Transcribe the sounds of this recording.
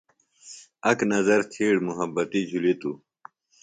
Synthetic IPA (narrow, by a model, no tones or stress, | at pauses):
ɐknɐzɐɾt̪ʰiːɽmuɦɐbɐt̪id͡ʑʱulet̪u